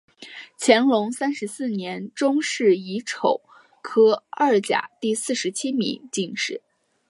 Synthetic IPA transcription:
t͡ɕʰjɛ˧˥nlʊ˧˥ŋsa˥nʂɻ̩˧˥sɹ̩˥˩njɛ˧˥nʈ͡ʂʊ˥ŋʂɻ̩˥˩i˧˥ʈ͡ʂʰo˨˩˦ʊ | kʰɤ˥ɐ˥˩t͡ɕja̰˨˩˦t̪i˥˧sɹ̩˥˩ʂɻ̩˧˥t͡ɕʰi˥mḭ˧˥ŋt͡ɕi˥˧ŋʂɻ̩˥˩˦

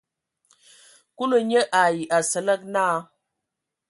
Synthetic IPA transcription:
ku˦lə˨ɲə˦ʔa˨ji˨ʔa˨sə˨lə˦k̚naː˦

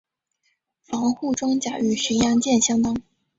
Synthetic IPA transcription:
fɑ˧˥ŋxu˥˩ʈ͡ʂɤ˥ŋt͡ɕja˨˩y˥˩ɕy˧˥njɑ˧˥ŋt͡ɕjɛ˥˩nɕjɑ˥ŋt̪ɑ˥ŋ

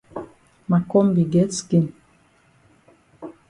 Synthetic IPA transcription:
ma˨kɔ˦mbi˨ɡɛ˦ski˦˨n

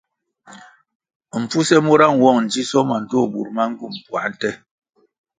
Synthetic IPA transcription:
m̩˨p͡fu˦sɛ˦mo˦ɾa˦˨ŋwɔ˦˨ŋn̩˨d͡ʒi˦sɔ˦ma˨n̩˨to˦˨ɓṵ˨ɾma˦ŋ̩˦ɡu˦˨m˨pwa̰˨˦n̩˦tɛ˦

